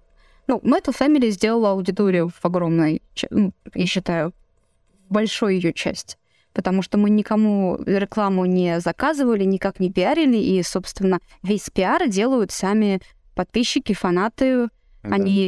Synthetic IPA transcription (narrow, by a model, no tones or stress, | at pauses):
numɛt̪əlˠfʲæmʲɪlʲɪjzʲdʲelˠəlˠəɐʊdʲɪt̪o̞ɾʲɪjʊv̥ɐɡɾo̞mnəjt͡ɕnujaɕːɪt̪ajʊ | bɐlʲʂojʊjɪjot͡ɕæ̰sʲtʲ | pət̪ɐmuʂt̪omɨnʲɪkɐmuɾʲɪklˠamʊnʲɪzɐkazɨvəlʲɪnʲɪkaknʲɪpʲɪaɾʲɪlʲɪʔiso̞pst̪vʲɪnːə | vʲesʲpʲɪardʲe̞lˠəjʊt̪samʲɪ | pɐt̪̚pʲiɕːɪkʲɪfɐnat̪ɨ | ɐnʲi